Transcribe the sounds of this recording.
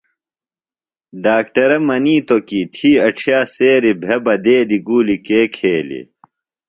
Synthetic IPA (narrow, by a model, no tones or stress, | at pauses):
ɖaːkʈɐɾɐmɐniːt̪okit̪ʰiːɐʈ͡ʂʰjaːseːɾibʱebɐd̪eːd̪iɡuːlikeːkʰeːlḭ